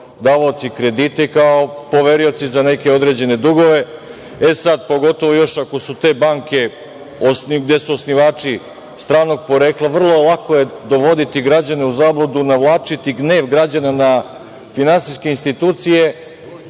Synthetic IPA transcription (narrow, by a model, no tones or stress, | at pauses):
d̪aːʋaot̪sikɾe̞d̪it̪ekao̞po̞ʋe̞ɾijot̪sizane̞ke̞o̞d̪ɾe̞d͡ʑe̞ne̞d̪uɡo̞ʋe̞ | esad̪po̞ɡo̞t̪o̞ʋo̞jo̞ʃako̞sut̪e̞ːbaŋke̞ | osniɡd̪je̞suosniʋaːt͡ʃi | st̪ɾaːno̞ɡ̚po̞ɾe̞ːklˠaʋr̩lˠolˠako̞je̞d̪o̞ʋo̞d̪it̪iɡɾad͡ʑane̞uzaːblˠod̪unaʋlˠaːt͡ʃit̪iɡne̞ːʋɡɾad͡ʑanana | finansiskeinst̪it̪uːt̪sije̞